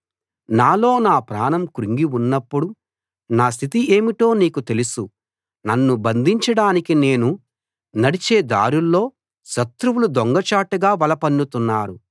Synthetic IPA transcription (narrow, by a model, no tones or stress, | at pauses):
naːlo̞ːnaːpɾaːnɐmkuɾiŋɡiunːɐpːuɽu | naːs̬t̪ʰit̪ie̞ːmiʈo̞ːniːkut̪e̞lusu | nɐnːubɐnd̪ʱiɲt͡ʃɐɽaːnikine̞ːnu | nɐɽit͡ʃeːd̪a̰ːɾulːo̞ː | ʃɐt̪ɾuwulud̪oŋɡɐt͡ʃaːʈɐɡaːʋɐlɐpɐnːut̪unːaːɾu